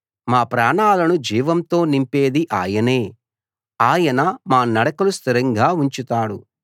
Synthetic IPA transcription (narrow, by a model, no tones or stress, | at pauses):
maːpɾaːɳaːlɐnud͡ʒiːʋɐmt̪o̞ːnimpe̞ːd̪iʔaːjɐne̞ː | aːjɐnɐmaːnɐɽɐkɐlust̪iɾɐŋɡaːuɲt͡ʃut̪aːɽu